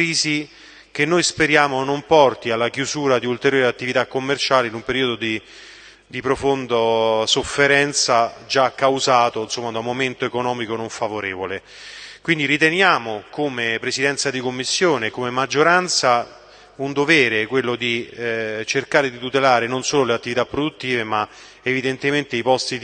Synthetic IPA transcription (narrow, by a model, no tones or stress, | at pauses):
ɾiːzi | k̟enːojspeɾjaːmonompɔrt̪ialːakjuzuːɾad̪iult̪eɾjoːɾeat̪ːivit̪akːomːert͡ʃaːleinumpeɾiːod̪od̪i | d̪ipɾofond̪asofːeɾɛnt̪sad͡ʒakːawzaːt̪oinsomːad̪aumːoment̪oekonɔːmikonoɱfavoɾeːvole | kwind̪iɾit̪enjaːmokomepɾesid̪ɛnt̪sad̪ikomːisːjoːnekomemad͡ʒːoɾant̪sa | und̪ovɛːɾekwelːod̪i | t͡ʃerkaːɾed̪it̪ut̪elaːɾenonsoːloleat̪ːivit̪apːɾod̪ut̪ːiːvema | evid̪ent̪ement̪eipɔst̪i